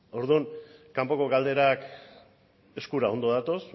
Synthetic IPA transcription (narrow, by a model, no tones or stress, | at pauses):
o̞ɾðuŋkampo̞ko̞ɣald̪e̞ɾak | e̞skuɾao̞nd̪o̞ðat̪o̞s